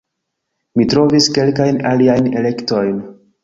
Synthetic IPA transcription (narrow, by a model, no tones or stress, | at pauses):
mitɾo̞viske̞lkajnaliajne̞le̞kto̞jn